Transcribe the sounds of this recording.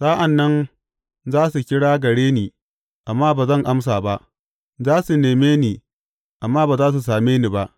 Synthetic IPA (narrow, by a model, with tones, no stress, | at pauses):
saː˦ʔa˨nːɐ˦n | zaː˦su˨kʲɪ˦ɽaː˦ɡɐ˨ɽeː˦niː˨ | ʔa˨mːaː˦baː˨zɐ˦ŋʔa˦ms̬aː˨ba˦ʔ | zaː˦su˨neː˨meː˦niː˨ | ʔa˨mːaː˦baː˨zaː˦s̬u˨s̬aː˨meː˦niː˨ba˦ʔ